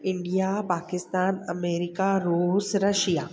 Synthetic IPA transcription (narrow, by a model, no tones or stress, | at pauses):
ɪ̃ɳɖijaːpaːkɪst̪aːnɐmeːɾɪkaɾusɾɐʃjaː